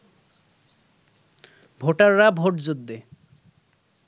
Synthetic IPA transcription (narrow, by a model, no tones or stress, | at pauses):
bʱoʈaɾːabʱoʈd͡ʑod̪ːe